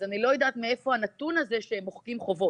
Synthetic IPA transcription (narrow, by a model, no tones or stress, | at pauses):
zanilo̞jedat̪mee̞fo̞anatunazeʃeemoχkimχo̞vo̞t